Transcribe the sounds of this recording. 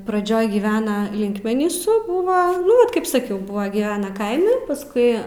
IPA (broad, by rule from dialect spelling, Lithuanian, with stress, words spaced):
prɐˈd͡ʒʲoːj ɡʲiːˈʋʲæːnɐ ˈlʲɪŋkmʲɛnʲiːsʊ ˈbʊʋɐ ˈnʊ ˈʋɐt kɐɪp sɐˈkʲɛʊ ˈbʊʋɐ ɡʲiːˈʋʲæːnɐ ˈkɐɪmʲɛ pɐˈskʊɪ